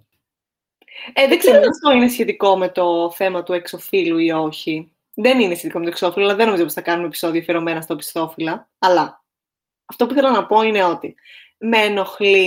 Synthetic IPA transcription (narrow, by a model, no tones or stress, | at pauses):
eðeɡzeɾot̪ɐft̪o̞ine̞sçe̞t̪iko̞me̞t̪o̞θe̞mɐt̪ue̞kso̞filuio̞çi | ðeninesçet̪iko̞met̪kso̞filoɐɐðeno̞mizoosi̥θɐkɐnunepi̥so̞ðiofieɾome̞nɐst̪opi̥st̪o̞filɐ | ɐlɐ | ɐft̪o̞puiθelɐnɐpo̞ine̞o̞t̪i | meno̞xli